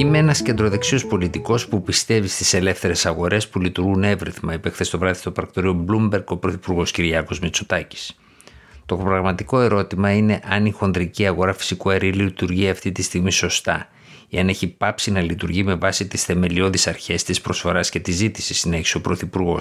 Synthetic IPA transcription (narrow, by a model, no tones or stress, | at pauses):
imeenɐsce̞nd̪ɾo̞ðe̞ksio̞spo̞lit̪iko̞spupist̪e̞vist̪ise̞le̞fθe̞ɾe̞sɐɣo̞ɾe̞spulit̪uɾɣune̞vɾiθmɐipexθest̪ovɾɐðist̪opɾɐkt̪o̞ɾio̞blumbe̞ɾɡo̞pɾo̞θipuɾɣo̞sciɾiɐko̞zmit͡sot̪ɐci̥s | t̪opɾɐɣmɐt̪iko̞e̞ɾo̞t̪imɐine̞ʔɐnixo̞nd̪ɾiciɐɣo̞ɾɐfi̥sikuɐɾilit̪uɾʝiɐft̪it̪ist̪iɣmiso̞st̪ɐ | iɐne̞çipɐpsinɐlit̪uɾʝime̞vɐsit̪isθe̞me̞lio̞ðisɐɾçe̞st̪ispɾo̞sfo̞ɾɐsce̞t̪izit̪i̥sisine̞çiso̞pɾo̞θipuɾɣo̞̰